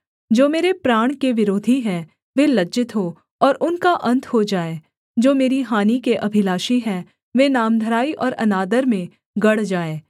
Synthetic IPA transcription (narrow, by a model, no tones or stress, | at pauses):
d͡ʒoːmeːɾepɾaːɽ̃keʋɪɾoːd̪ʱiɦɛ̃ | ʋelɐd͡ʒɪt̪ɦo | ɔːɾʔʊnkaʔɐ̃nt̪ʰɦod͡ʒaːeː | d͡ʒoːmeːɾiɦaːnikeʔɐbʱɪlaːʃiɦɛ̃ | ʋenaːmd̪ʱəɾaːiʔɔːɾɐ̰naːd̪əɾmẽ | ɡɐɽ̤d͡ʒaːeː